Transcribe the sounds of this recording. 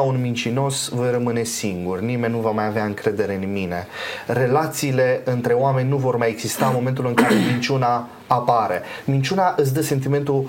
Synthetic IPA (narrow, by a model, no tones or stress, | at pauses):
aunmint͡ʃino̞svojrəmɨne̞siŋɡurnime̞nʲnuvamajaveaɨŋkɾe̞d̪e̞ɾe̞ɨnmine̞̰re̞lat̪siːle̞ɨnt̪ɾe̞oame̞nʲːuvo̞rmajeɡzist̪aɨnmo̞me̞nt̪̬ulɨŋkaɾe̞mint͡ʃunaː | paɾe̞mint͡ʃunaʔɨs̬ʲd̪əse̞nt̪̬ime̞nt̪u